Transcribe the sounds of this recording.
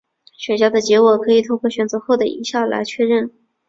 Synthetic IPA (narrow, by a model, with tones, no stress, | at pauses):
ɕɥɛ˨˩nɕjɑ˥d̪ə˨t͡ɕjɛ˧˥wɔ˨˩kʰɤ˧˥i˨˩t̪ʰo˥˧ŋkwɔ˥˩ɕɥɛ˨˩nt͡sɤ˧˥xo˥˩ʊd̪ə˩ḭ˧˥ɕjɑ˥˩ʊla̰˧˥ɪt͡ɕʰɥɛ˥˧ɻə˥˩n